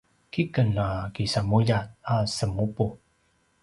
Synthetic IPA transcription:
kikənakisamujat̪̚asəmupu

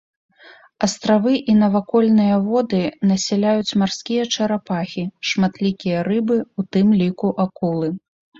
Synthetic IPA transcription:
ɐst̪ɾavɨʔinɐvakɔlʲnɨjɐvɔd̪ɨnɐsʲɛlʲajut͡sʲmarskʲijɐt͡ʂɐɾapaxʲiʂmat̪lʲikʲijɐrɨbɨut̪ɨmlʲikuʔakulˠɨ

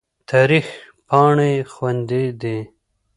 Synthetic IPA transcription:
t̪ʰɑːɾix | pɑɳexwand̪ed̪e

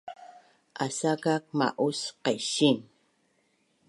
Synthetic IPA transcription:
ʔasakak̚ma̰ʔusqeʃin

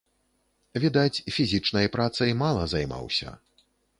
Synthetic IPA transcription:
vʲid̪at͡sʲfʲizʲit͡ʂnɐjɐpɾat̪sɨjmalˠɐzajma̰wsʲɐ̰

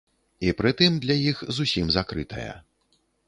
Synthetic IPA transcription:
ipɾɨt̪ɨmd̪lʲɐjixzusʲimzakɾɨt̪ʰɐ̰jɐ̰

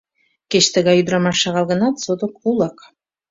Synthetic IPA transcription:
ket͡ɕt̪ə̆ɣɑjyd̪ɾɑmɑʃɑɣɑlˠɣə̆nɑt̪sod̪ŏkulˠɑk

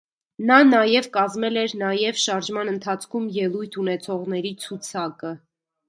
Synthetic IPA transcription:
nɑnɑjɛvkɑzmɛlɛɾnɑjɛvʃɑɾʒmɑnənt̪ʰɑt͡sʰkʰumjɛlujt̪ʰunɛt͡sʰɔʁnɛɾit͡sʰut͡sʰɑkə

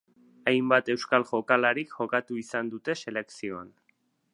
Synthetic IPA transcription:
ajmbat̪e̞wskalʝo̞kalaɾikʝo̞kat̪uisand̪ut̪e̞se̞le̞ksio̞an

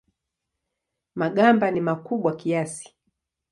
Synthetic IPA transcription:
maɠambanimakuɓwakiasi̥

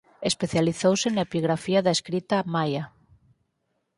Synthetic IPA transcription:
espeθjaliθowsenaepiɣɾafiaðaeskɾit̪amaja

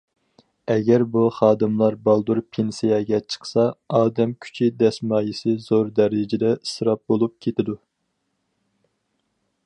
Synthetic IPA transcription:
ɛɡʲɛɾbuχɑːd̪ɨmlˠɑɾbɑlˠd̪uɾpʰensijɛɡʲɛt͡ʃʰə̥χsɑɑːd̪ɛmkʲʰy̥t͡ʃʰid̪ɛsmɑːjisɨzoɾd̪ɛɾɪd͡ʒɪd̪ɛsɨɾɑp̚bolˠup̚kʲʰet̪ʰɪd̪u

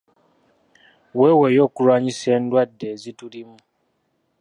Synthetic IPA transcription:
wewejo̞kuɾaɲiseːndwadːe̞zitulimu

